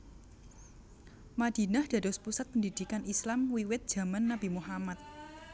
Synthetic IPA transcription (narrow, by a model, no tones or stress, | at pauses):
mad̪̥i̤nahd̥ä̤dɔspusat̪̚pəndid̪̥i̤kanʔislamwiwɪt̪̚d̥ʒ̥ä̤manːab̥imuɦamat̪̚